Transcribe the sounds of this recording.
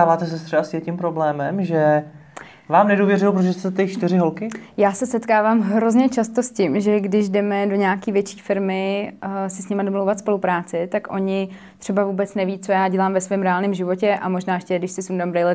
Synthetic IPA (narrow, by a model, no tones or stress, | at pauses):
aːvaːt̪ɛsɛst̪rɛasɪjɛcɪmpɾoblɛːmɛmʒɛ | vaːmnɛduːvjɛrɪlpɾoʒɛst̪ɛt̪ɛt͡ʃt̪ɪɾɪɦolkɪjaːsɛsɛt̪kaːvaːmɦɾo̞zɲɛt͡ʃast̪oscɪmʒɛɡdɪʒdɛmɛdo̞ɲaakiːvjɛt͡ʃi̥ːfɪɾmɪsɪsɲɪmadomlowvat̪spo̞lupɾaːt͡sɪt̪akʔo̞ɲɪ | t̪r̝̥ɛbavuːbɛt͡snɛviːt͡so̞jaːɟɛlaːmvɛsvɛːmɾɛaːlnɪmʒɪvo̞cɛʔamo̞ʒnaːjɛʃcɛdɪʃsɪsundambɾɛjlɛ